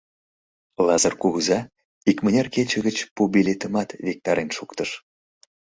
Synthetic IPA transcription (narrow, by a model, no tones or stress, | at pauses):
lɑzərkuɣəzɑ | ikmənʲerket͡ɕə̆ɣət͡ɕpubilʲet̪əmɑt̪vek̚t̪ɑɾenʃukt̪əʃ